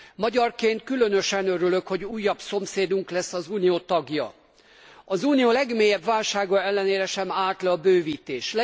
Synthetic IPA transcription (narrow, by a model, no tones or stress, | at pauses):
mɒɟɒrkeːnt̪̚kylø̞nø̞ʃɛnøɾylø̞kho̞ɟuːjːɒbso̞mseːd̪uŋklɛsːɒzuːnijoːt̪ɒɡjɒ̰ | ɒzuːnijoːlɛɡmeːjɛbvaːlʃaːɡɒɛlːɛneːɾɛʃɛmaːlt̪lɛɒbøːviːt̪eːʃlɛ